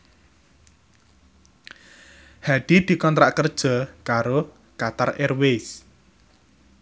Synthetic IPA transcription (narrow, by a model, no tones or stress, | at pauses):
had̪̥i̤d̪̥i̤kɔnt̪ɾaʔkərd̥ʒ̥ɔ̤kaɾo | kat̪arerwes